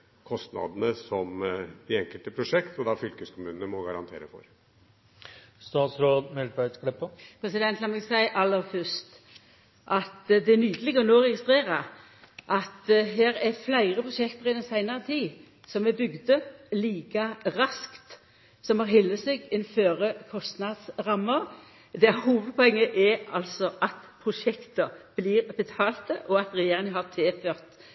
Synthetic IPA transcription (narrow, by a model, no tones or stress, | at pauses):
kʰɔst̪nɑ̰d̪ənəsɔmd̪ɪɛŋkəlt̪əpʰɾʊʂɛkt̪ɔd̪ɑfʏlkəskʰʊmʉːnənəmɔɡɑɾɑnt̪ʰḛːɾəfɔ̰ɾ | st̪ɑːt̪sɾoːd̪mɛlbækɽɛpːəpʰɾɛsɪd̪ɛnt̪lɑnɛɡsæɪʔɑlːəɾfœst̪ | ʔɑt̪d̪ɛænyːd̪əlɪɡəɾnoːʁɛɡɪst̪ʁeːɾə | ʔɑt̪ɦeːɾɛɾflæɪʁəpʰɾʊʃɛkt̪əʁɪd̪ɛnsæɪnəʁət̪ʰiː | sɔmɛbʏɡd̪əliːkɑɾɑskt̪ | sɔmhɑɾɦɪlːəseːɡɪnføːɾəkʰɔst̪nɑd̪sʁɑmːəɾ | d̪ɛæhuːʋəd̪̚pʰɔɛŋːəʔɛɑlsɔʔɑt̪pʰʁʊʂɛkt̪əb̥liːʁbət̪ʰɑːlt̪əʔɔɑt̪ɾɛjeːʁɪŋəɦɑʁt̪ʰeːføːʁt̪